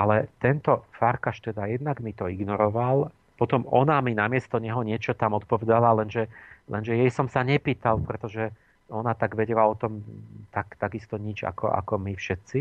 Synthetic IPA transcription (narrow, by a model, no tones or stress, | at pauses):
alɛt̪ɛnt̪ɔfaɾkaʃt̪ɛd̪ajɛd̪naɡmit̪ɔiɡnɔɾɔʋal | pɔt̪ɔmɔnaminamɪɛst̪ɔɲɛɦɔɲɪɛt͡ʃɔt̪amɔt̪̚pɔʋɛd̪alalɛnʒɛlʔɛ̰nʒɛjɛjsɔmsaɲɛpiːt̪alpɾɛt̪ɔʒɛ | ɔnat̪aɡʋɛɟɛlaɔt̪ɔmt̪akt̪aɡist̪ɔɲid͡ʒa̰kʰɔ̰ʔa̰kɔmifʃɛt̪si